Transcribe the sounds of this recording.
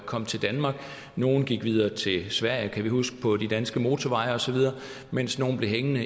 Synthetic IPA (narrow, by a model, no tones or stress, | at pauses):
kʰɒ̽m̰t͡sʰe̝ld̥ænmɑ̈ɡ̥ | no̝ːn̩ɡ̥iɡ̥ʋið̞ˠɐːt͡sʰe̝lsʋæɐ̰jəkʰæʋihusɡ̥ə̥pʰɒ̽d̥id̥ænsɡ̥əmo̝ːt͡sʰɒʋɑ̈ɪɐɒ̽sɒ̽ʋið̞ˠɐː | men̰sno̝ːn̩b̥le̝ɦeŋənə